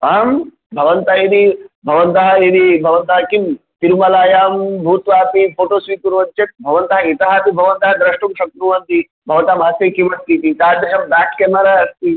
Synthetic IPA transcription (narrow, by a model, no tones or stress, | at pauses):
ɐm | bʱɐʋɐnt̪ɐid̪ibʱɐʋɐnt̪ɐɦɐid̪ibʱɐʋɐnt̪ɐɦɐkim | t̪iɾumɐlaːjaːmbʱuːt̪ʋaːpipʰoːʈoːsʋiːkuɾʋɐnt͡ʃɐt̪̚bʱɐʋɐnt̪ɐɦɐit̪ɐɦaːp̪ibʱɐʋɐnt̪ɐɦɐd̪ɾɐʂʈumʃɐk̚t̪ɾuʋɐnt̪i | bʱɐʋɐt̪aːmɦɐseːkimɐst̪it̪isaːd̪ɐʃɐmd̪aːʈkeːmɐɾaɐst̪i